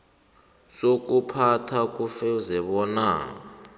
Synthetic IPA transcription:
sok̬ʼupʰatʰak̬ʼufɛuzɛɓɔna̰ː

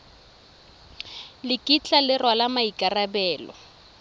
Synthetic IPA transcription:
lɪkʼit͡ɬʼalɪrwalamaikʼarabɛːlɔ

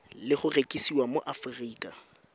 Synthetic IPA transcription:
lɪχʊrekʼisiwamoʔafriːkʼa

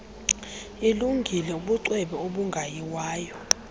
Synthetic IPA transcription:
iluŋɡʱilɛuɓuǀwɛɓɛoɓuŋɡʱajiwaːjɔ

